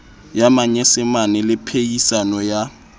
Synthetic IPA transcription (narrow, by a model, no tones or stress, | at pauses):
jamaɲɛsɪmanɛlɪpʰejisanɔja